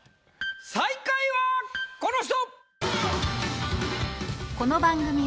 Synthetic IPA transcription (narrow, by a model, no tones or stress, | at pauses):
saikaiβakonoɕ̬t̪o | ko̞no̞bãŋɡɯ̟mʲi